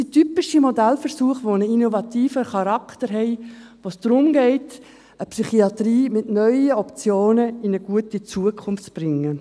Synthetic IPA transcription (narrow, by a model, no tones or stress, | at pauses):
d̥itypɪʃimodælfəɾsuːəχʋonəinovɑt̪iːfəχɑɾɑktəɾɦɛɪʋoːsd̥ɾʊmɡɛɪt | əpsyχiɑtriːmɪtnœʏəɔpt͡sjoːnəɪnəɡ̥uətit͡suəkʰʊnftb̥rɪŋːə